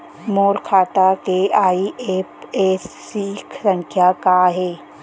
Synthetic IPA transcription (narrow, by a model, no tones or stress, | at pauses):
moːɾkʰaːt̪akeaːiʔeːpeːsːikʰsə̃ŋkʰjakaɦeː